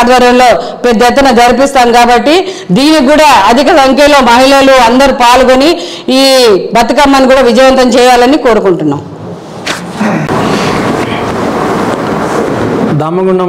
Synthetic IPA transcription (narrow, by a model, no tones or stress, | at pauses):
d̪ʋɐːɾɐmlo̞ː | pɛd̪jɛt̪ːɐnɐd͡ʒ̪ɐɾip̬ist̪aːmkaːbɐʈːi | d̪iːnik̬uːɽaːɐd̪ʱikɐsɐŋkʰjɐlo̞ːmɐɦilɐluɐnd̪ɐɾupaːlukoni | iːbɐt̪ɐkɐmːɐnikuːɽaːʋid͡ʒɐjʋɐnt̪ɐmt͡ʃɛːjaːlɐniko̞ːɾukuɳʈunːa̰ːm | d̪ɐmːɐɡuɳɐ